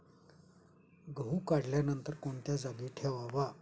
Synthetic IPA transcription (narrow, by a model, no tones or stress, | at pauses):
ɡəɦuːkaɽljanənt̪əɾkoɳt̪jad͡zaɡiːʈʰeʋaʋa